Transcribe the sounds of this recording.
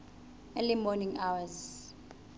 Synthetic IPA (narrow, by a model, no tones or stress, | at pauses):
elimɔnĩŋawaz